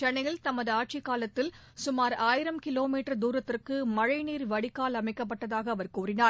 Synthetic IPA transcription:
t͡ʃɐnɐjɪlt̪ɐmɐðɯaːʈ̚t͡ʃɪkːaːlɐt̪ːɪl | sʊmaːɾaːjɪɾɐmkɪloːmiːʈːɐɾd̪uːɾɐt̪ːɪrkɯmɐɻɐɪniːɾʋɐɽɪkːaːlɐmɐɪkːɐp̬ːɐʈːɐðaːɣɐːʋɐɾkuːrɪnaːɾ

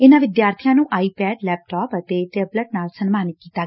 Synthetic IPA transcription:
ɪnãːʋɪd̪jaːɾt̪ʰijãːnũːʔaːiːpɛːɖlɛːp̚ʈɔːpət̪eːʈeːbləʈ̚naːlsənmaːnɪk̪̚kiːt̪aː

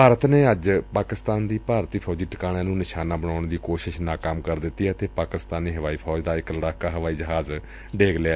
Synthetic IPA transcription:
paːɾət̪neːəd͡ʒpaːkɪst̪aːnd̪iːpaːɾt̪iːpʰɔːd͡ʒiːʈəkaːɽ̃ãːnũːnɪʃaːnãːbəñaːʊɳd̪iːkoːʃɪʃnaːkaːmkəɾd̪ɪt̪ːiːɛət̪eːpaːkɪst̪aːniːɦəʋaːiːpʰɔːd͡ʒd̪aːɪkləɽaːkaːɦəʋaːiːd͡ʒəɦaːz | ɖeːɡleaː

